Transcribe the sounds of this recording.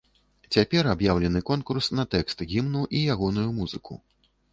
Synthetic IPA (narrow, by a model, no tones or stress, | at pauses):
t͡sʲapʲɛrabjawlʲɛnɨkɔnkursnɐt̪ɛkst̪ɣʲimnuʔijaɣɔnujumuz̥ɨkṵ